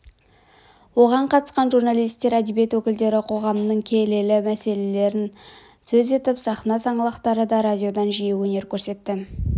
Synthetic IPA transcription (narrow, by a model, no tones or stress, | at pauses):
wo̞ʁɑɴqʰɑt̪ə̥sqɑnʒurnalˠijst̪ːe̞ɾæd̪ebje̞t̪wɵkʲɪld̪e̞ɾɪqʰo̞ʁɑmənəɴkʲʰele̞lɪmæse̞le̞le̞ɾɪn | sɵze̞t̪ɪpsɑχnɑsɑɴəlˠɑqt̪ɑɾəd̪ɑɾadʲijo̞d̪ɑnʒijewɵne̞ɾkʲʰɵɾse̞t̪ːɪ